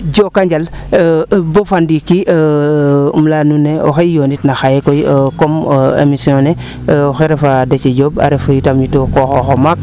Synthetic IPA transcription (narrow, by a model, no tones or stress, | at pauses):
ɟokaɲɟal | bofandiki | mlanunːeo̰xejoːnitnaxajekojkomḛmisiõne | oxeɾefadet͡ʃeɟoːba̰ɾefajutamjutokoxoxomak̚